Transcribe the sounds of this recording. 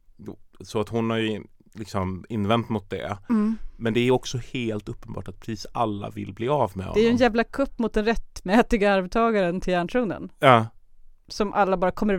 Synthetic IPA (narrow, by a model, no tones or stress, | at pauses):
sɔat̪hʊnhaɾj | lɪksɔmɪnːvɛnt̪mʊt̪̚d̪ɛ̰ | mɛnd̪ɛæɾɔksɔheːlt̪ɵpːənbɑ̰ːʈat̪̚pʰɾɛsiːsalːa̰vɪlːbliːavmɛ̰ɔ̰dɛæjɛnjæːvlakʰɵpːmʊt̪̚d̪ɛnɾɛt̪ːmɛːt̪ɪɡaaɾbɛt̪ʰːɑːɡaɾənt̪ʰɪlæːɳʂuːnə̰njɑː | sɔmʔalːabɑːɾakʰɔmːəɾ